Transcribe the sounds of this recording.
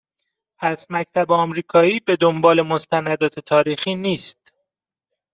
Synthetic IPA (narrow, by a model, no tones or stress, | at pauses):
pʰæsmæct̪ʰæbeɒmɾiːkʰɒːiːbe̞d̪ombɒːle̞mo̞st̪ænæd̪ɒːt̪ʰe̞t̪ʰɒːɾiːxiːniːst̪